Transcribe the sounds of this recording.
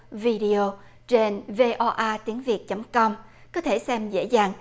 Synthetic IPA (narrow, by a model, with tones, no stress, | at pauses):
vi˧ɗi˧o˧ | t͡ɕe˧nve˧ʔɔ˧ʔaː˧t̪i˨˦əŋvi˨˩ət̚t͡ɕə˨˦ŋ͡mkɔ˧wŋ͡mkɔ˨˦t̪ʰe˧˩sɛ˧mzḛ˧˥zaː˨˩ŋ